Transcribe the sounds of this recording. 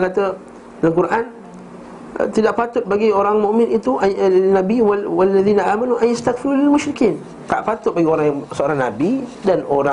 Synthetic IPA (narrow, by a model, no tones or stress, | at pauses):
kat̪ə | laŋkuɾaʔan̰ | t̪idaʔpat̪ʊt̪̚baɡioɾaŋmũʔmɪ̃nit̪uʔanabiwwalːaðiːnaʔaːmanuʔajjast̪akfiɾulɪlmʊʃɾikiːn | t̪aʔpat̪ʊt̪̚baɡioɾaŋjaŋsəoɾaŋna̰bidanoɾaŋ